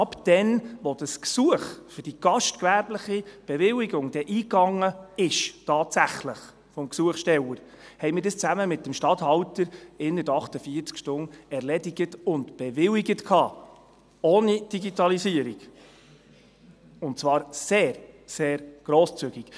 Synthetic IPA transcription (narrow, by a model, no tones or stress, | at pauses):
ɑpd̥ɛnʋɔd̥əsksuəχfʏɾd̥iɡ̥ɑʃtkʋæɾbləχib̥ɛvɪwiɡʊŋd̥ɛʔiːkɑŋːəɪʃtʰɑːtsæχləχ | fɔmksuəχʃtɛwəɾ | hɛɪmɪːɾdəst͡sæməmɪtːəmʃtɑthɑwtəɾɪnətɑχtəfiəɾt͡skʃtʊnɛɾlɛdiɡətʊntb̥ɛʋɪwiɡətkʰɑː | oːnid̥iɡitɑlisiəɾiɡ | ʊntt͡svɑːɾseːɾseːɾɡ̥ɾoːst͡syɡ̥ik